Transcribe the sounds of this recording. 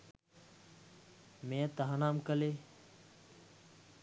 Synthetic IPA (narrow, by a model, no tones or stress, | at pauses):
mẽːt̪əɦãːnaːmkəleː